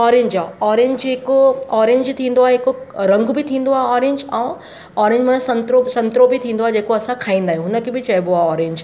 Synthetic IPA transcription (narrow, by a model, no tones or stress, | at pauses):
ɔːɾẽːɲd͡ʑaːɔːɾẽːɲd͡ʑɦɪkoɔːɾẽːɲd͡ʑt̪ʰĩːnd̪oaːɦeɦɪkoɾɐ̃ŋɡbɪt̪ʰĩːnd̪oaːɦɔːɾẽːɲd͡ʑɛ̃ː | ɔːɾẽːɲd͡ʑmɐnsɐ̃nt̪ɾosɐ̃nt̪ɾobɪt̪ʰĩːn̆d̪oaːɦed͡ʑeːkoɐsãkʰaːĩːnd̪aːɦĩj̃ɦʊnə̆kʰeːbɪt͡ɕɐjboaːɔːɾẽːɲd͡ʑ